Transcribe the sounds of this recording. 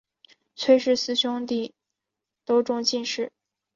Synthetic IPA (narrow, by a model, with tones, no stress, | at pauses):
t͡sʰwe˥˧ʂɻ̩˥˩sɹ̩˥ɕjʊ˥ŋt̪i˥˩ | t̪o˥ʊʈ͡ʂʊ˥˧ŋt͡ɕi˥˧nʂɻ̩˥˩